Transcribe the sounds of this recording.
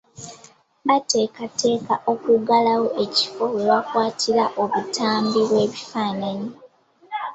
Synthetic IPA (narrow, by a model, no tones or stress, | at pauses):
βate̞ːkate̞ːkaʔo̞kuɡalawoʔe̞ci̥fo̞weβakwaːtʰiɾaʔoβutaːmbiβwe̞ːβifaːnaɲi